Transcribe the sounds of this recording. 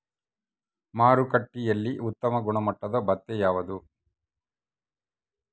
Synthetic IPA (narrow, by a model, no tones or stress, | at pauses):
maːɾukɐʈːijɐlːiʔut̪ːɐmɐɡuɳɐmɐʈːɐd̪ɐbɐt̪ːejaːʋɐd̪u